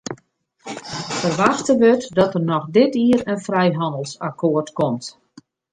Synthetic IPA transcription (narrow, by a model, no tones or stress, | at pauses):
fərʋaxtəʋøtdɔtərnɔxdɪtiəɾənfrɛjɦɑndəlˠsakoərtkɔmt